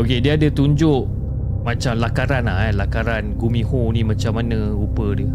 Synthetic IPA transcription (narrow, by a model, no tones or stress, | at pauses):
okediəadət̪uɲd͡ʒʊʔ | mãt͡ʃamlakaɾanalakaɾanɡumĩhonimãt͡ʃamanə̃ | upədiə